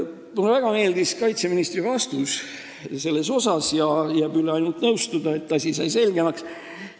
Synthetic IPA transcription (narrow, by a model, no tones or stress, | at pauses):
mulevæɡ̥ɑme̞ːld̪iskɑjt̪se̞minist̪rivɑst̪us | se̞lːe̞so̞sɑsjɑjæːbyleɑjnult̪nɤwst̪ud̪̥ɑe̞t̪ːˑɑsʲisɑjse̞lɡ̥e̞mɑks